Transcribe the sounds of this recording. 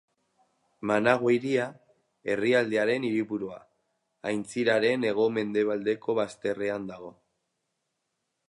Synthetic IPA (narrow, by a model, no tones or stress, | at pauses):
manaɣwejɾia | e̞riald̪eaɾe̞niɾipuɾua | ajnt͡siɾaɾe̞ne̞ɣ̞o̞me̞nd̪e̞β̞ald̪e̞ko̞βast̪e̞re̞and̪aɣ̞o̞